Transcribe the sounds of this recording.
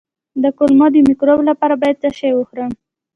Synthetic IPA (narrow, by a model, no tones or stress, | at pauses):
d̪əkʊlmɑd̪əmikɾoblapɑɾabɑjad̪̚t͡saʃejwəxɾəm